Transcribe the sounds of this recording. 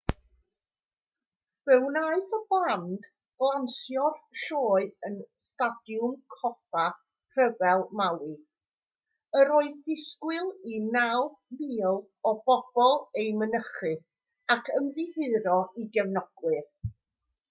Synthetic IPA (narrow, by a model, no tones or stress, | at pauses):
v̥ɛwnaɨθɔblˠand | b̥lˠansjɔrʃoːɨənstad̥jʊmkʰɔfa | kʰrəvɛlˠmawi | əɾoːɨðdɪskwɪlˠinawmiːlˠ | ɔb̥ɔb̥ɔlˠejmənəχɨ | akʰəmðɨhɨɾɔiɡɛvnɔɡ̥wɨr